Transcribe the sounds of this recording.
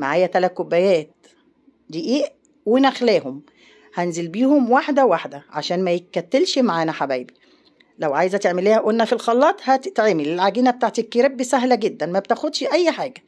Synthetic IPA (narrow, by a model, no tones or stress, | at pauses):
ma̰ʕaːjæt̪ælæt̪̚kobːæjæːt̪̚ | d̪iːʔiːʔ | wenæxlæːhom | hænzelbiːhomwaħd̪æwaħd̪æʕa̰ʃæːnmæjekːæt̪ːelʃmaʕaːnæħabæːbi | læwʕajzæt̪eʕmelːiːhæʔonːæfilxɑlːɑːt̪ˤhæt̪t̪ʕeːmelelʕaɡiːnæbet̪aːʕt̪ikːeɾebːisæɦlæɡed̪ːænmæbt̪æxod̪ʃʔæjːħaːɡæ